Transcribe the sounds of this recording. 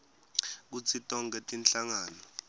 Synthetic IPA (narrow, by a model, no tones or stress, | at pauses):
k̬ut͡sʰitʼɔŋɡ̬ʼɛtʼinɬaŋaːnɔ